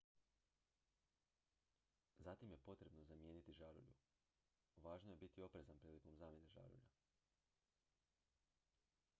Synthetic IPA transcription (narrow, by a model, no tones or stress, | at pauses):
zat̪imje̞po̞t̪ɾe̞bnozamje̞ːnit̪iʒaɾṵʎṵ | ʋaːʒnoje̞bit̪io̞pɾe̞zanpɾiːliko̞mzaːmje̞ne̞ʒa̰ɾṵʎa̰